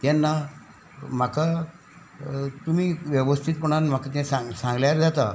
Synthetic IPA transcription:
t̪ɛnːa | m̤aka | t̪um̤iːʋjɛʋəst̪ʰit̪pəɽ̃anm̤akat̪j̃sãŋsãŋɡljaɾd͡zat̪a

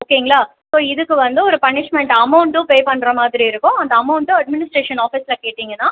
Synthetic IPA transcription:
oːkːeːŋɡɐɭaː | soːɪðɯkːɯʋɐnd̪ɯɔɾɯpɐnɪʂmɛɳʈɐmɐʊɳʈɯ̃peːpɐɳːɾɐmaːðɪɾiɪɾɯkːʊ̃ɐnd̪ɐːmɐʊɳʈːɯɐɖmɪnɪsʈɾeːʂɐnaːfiːsɪlɐkeːʈːiːŋɡɐnːãː

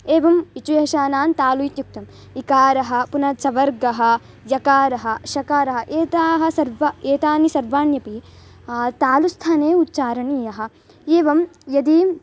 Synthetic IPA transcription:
eːʋɐmit͡ʃujɐɦɐʃaːnaːnt̪aːlujit̪juk̚t̪ɐm | ikaːɾɐɦɐ̆punɐt͡ʃɐʋɐɾɡɐɦɐ̆ | jɐkaːɾɐɦɐ̆ʃɐkaːɾɐɦɐʔeːt̪aːɦɐ̆sɐɾʋɐeːt̪aːnisɐɾʋaːnjɐpi | t̪aːlust̪ʰaːneːutːt͡ʃaːɾɐniːjɐɦɐ̆ | eːʋɐmjɐd̪i

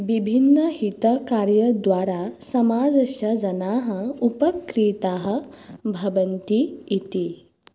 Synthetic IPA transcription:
ʋibʱinːɐɦit̪ɐkaːɾjɐd̪ʋaːɾasɐmaːd͡zɐʃɐd͡ʒɐnaːɦɐupɐkɾiːt̪aːɦɐ̆bʱɐʋɐnt̪iit̪i

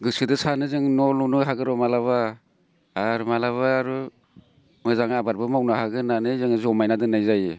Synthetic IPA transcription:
ɡɯsɯdɯsanɯzɯŋnɔlnunɯɦaɡɯɾɔmalaβa | aɾmalaβaːɾu | mɯzaŋabaɾbɯmawnahaɡɯnanɯzɯŋzɔmajnadɯnajzaje

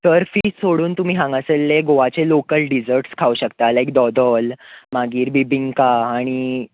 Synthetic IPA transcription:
səɾfiːssoɽuːnt̪um̤iːɦãŋɡaselːeɡoʋat͡selokəlɖid͡zəɾʈskʰauɕəkt̪alajk̚d̪ɔd̪ɔlmaɡiːɾbibiŋɡkaːɽ̃i

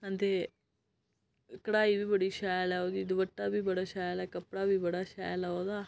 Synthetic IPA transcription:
ənd̪e | kɽaːibʱiːbəɽiːʃaːjalaɦod̪iːd̪ʋəʈːabʱiːbɐɽaʃaːjalakɐpɽabʱiːbɐɽaʃa̰ːjalaɦod̪aː

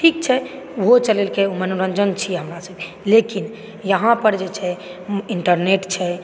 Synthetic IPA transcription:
ʈʰik̚t͡ʃʰɛ | ɦot͡ʃəlelkeomənuɾəɲd͡ʒənt͡ʃʰiɦəmɾasəb | lekin | jəɦãpəɾd͡ʒet͡ʃʰɛ | iɳʈəɾneʈt͡ʃʰɛ

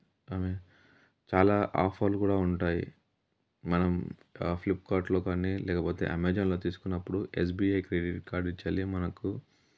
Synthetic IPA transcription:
aːme | t͡ʃaːlaːʔa̰ːpʰaːlukuːɽaːuɳʈaːjḭ | mɐnɐmplipːkaːɾʈlo̞ːkanːilɛːkɐpoːt̪ḛːʔɐmeːd͡ʒɐnlo̞ːt̪iːsu̥kunːɐpːuɽuʔes̬biːɐjkɾeɖiʈkaːɾɖit͡ʃːaːlimɐnɐku

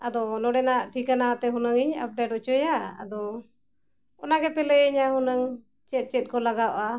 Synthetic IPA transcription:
ad̪ɔnɔɖɛnaʔʈʰikanat̪ɛɦunəŋiɲa̰p̚ɖɛʈɔʔt͡ʃɔjaa̰d̪ɔ | ɔnaɡɛpɛlɛəɲahunəŋ | t͡ʃɛt̪̚t͡ʃɛt̪̚ˀkɔlaɡaʔa

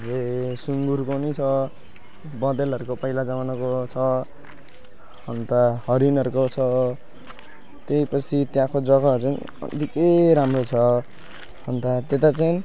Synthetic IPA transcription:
d͡zesuŋɡuɾkonʌt͡sʰʌ | bʌd̪elʌɾukopʌijlad͡zamanakot͡sʰʌ | hʌnt̪ahʌɾinʌɾukot͡sʰʌ | t̪ejpʌt͡sʰit̪jãkʰod͡zʌɡaʌɾut͡sajn̰ | ʌ̰d̪ikejɾamrot͡sʰʌ | hʌnt̪at̪et̪at͡sajni

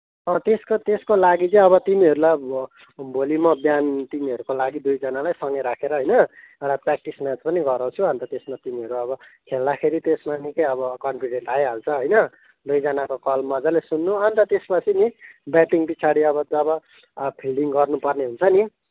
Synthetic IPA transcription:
ʌt̪eskot̪eskolaɡit͡sʌ̃j̃ʌβʌt̪imiɦʌɾulaj | bʱolimʌbjant̪imiɦʌɾukolaɡid̪ujd͡zʌnalajsʌŋeɾakʰeɾʌɦojnʌ | ewʈaprak̚ʈismat͡spʌniɡʌɾawt͡sʰuʌnt̪ʌt̪esmat̪imiɦʌɾuʌβʌkʰeld̪akʰeɾit̪esmanikʌjʌβʌkʌnpʰiɖeɳʈajɦalt͡sʰʌɦojnʌ | d̪ujd͡zʌnakokʌlmʌd͡zalesunːuʌnt̪ʌt̪espʌt͡sʰinibjaʈiŋpit͡sʰaɽiʌbʌʌbʌ | pʰilɖiŋɡʌrnupʌrneɦunt͡sʰʌni

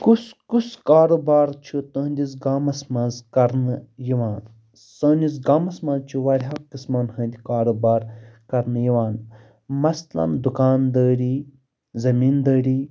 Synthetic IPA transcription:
kuskuskaːɾubaːɾt͡ʃʰut̪ə̃ːnd̪ʲis̬ɡaːmɐsmɐnzkɐɾnɨjiʋaːn | səːnd̪ʲis̬ɡaːmɐsmɐ̃nzt͡ʃʰuʋɐɾʲɦaːkːɨsmɐːnhə̃ːnd̪ʲikaːɾubaːɾkɐɾnjiʋaːn | mɐslɐ̰nd̪ukaːnd̪əːɾʲiː | zɐmiːnd̪əːɾʲiː

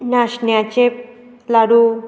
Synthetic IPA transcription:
naɕnjat͡ɕep̚ | laɽu

